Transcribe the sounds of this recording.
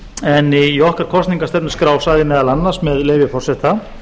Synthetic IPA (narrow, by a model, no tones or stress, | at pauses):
ɛniɔhkaɾ̥kʰɔst̪niŋkast̪ɛp̪nɪskɾaːwsaðɪmɛːðalanːaɾ̥smɛðleːvɪfɔrsɛht̪a